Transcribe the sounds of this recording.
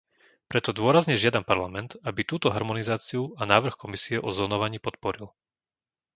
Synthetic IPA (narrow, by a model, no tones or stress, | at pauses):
pɾɛt̪ɔd̪ʊɔɾazɲɛʒɪad̪ampaɾlamɛnt̪abit̪uːt̪ɔɦaɾmɔnizaːt͡siuanaːʋr̩xkɔmisiɛʔɔzlɔnɔʋaɲiːpɔt̪̚pɔɾil